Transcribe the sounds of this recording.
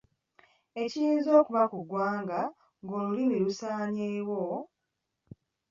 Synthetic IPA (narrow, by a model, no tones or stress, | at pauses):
e̞cijiːnzo̞ːkuβakuɡwaːŋɡa | ŋɡo̞ːlulimilusaːɲeːwo